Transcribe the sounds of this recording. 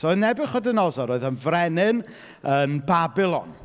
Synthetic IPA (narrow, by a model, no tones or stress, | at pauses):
sonɛbɪχɔdɪnɔzɔɾoːɨðənvrɛnɪn | ənbabɪlˠɔ̰n